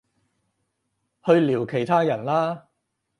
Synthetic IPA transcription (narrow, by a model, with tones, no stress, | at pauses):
hɵ˧ɥliː˨˩wkʰe˨˩jt̪ʰaː˥jɐ˨˩nlaː˥